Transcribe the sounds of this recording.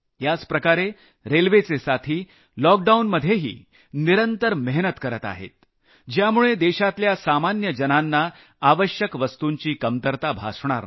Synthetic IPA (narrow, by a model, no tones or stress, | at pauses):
jat͡spɾəkaɾe | ɾelʋet͡sesat̪ʰiː | lɔk̚ɖaunməd̪ʱjeɦḭː | niɾənt̪əɾmɛɦnət̪kəɾət̪a̰ɦḛt̪̚ | d͡ʑjamuɭed̪eɕat̪ljasamanjəd͡ʑənanːaː | ʋəɕjəkʋəst̪uɲt͡ɕiːkəmt̪əɾt̪abʱa̰sɳ̃a̰ɾ